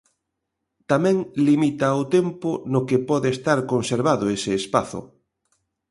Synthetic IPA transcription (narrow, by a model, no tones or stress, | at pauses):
t̪amɛ̃ŋlimit̪aʊt̪empʊnokepɔðeːst̪aɾkonseɾβaðʊesɪːspaθʊ̰